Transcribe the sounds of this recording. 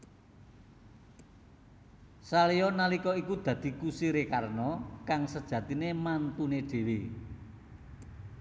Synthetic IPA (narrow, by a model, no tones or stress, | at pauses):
saliɔnalikɔikud̪̥ä̤d̪̥i̤kusiɾekarnɔkaŋsəd̥ʒ̥ä̤t̪inemant̪uneɖ̥e̤we